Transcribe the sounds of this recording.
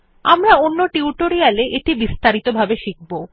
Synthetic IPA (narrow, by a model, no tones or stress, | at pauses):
amɾaonːoʈiuʈoɾialeʔeʈibist̪aɾit̪obʱabeʃik̚bo